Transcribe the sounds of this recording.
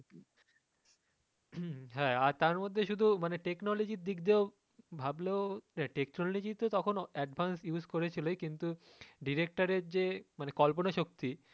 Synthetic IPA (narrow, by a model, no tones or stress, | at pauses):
ɦɛ̃aɾt̪aɾmod̪ʱːeʃud̪ʱumaneʈeknɔlod͡ʑiɾd̪ikd̪eo | bʱableoɛʈekʈnɔllod͡ʑit̪ot̪ɔkʰonɛɖbʱansjuskoɾet͡ɕʰilokint̪u | ɖiɾek̚ʈaɾeɾd͡ʑemanekɔlponaʃok̚t̪i